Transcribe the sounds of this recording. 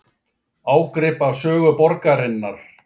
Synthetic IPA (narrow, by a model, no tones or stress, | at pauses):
aːwkɾɪːpavsœːɣʏpɔɾkaɾɪnːaɾ̥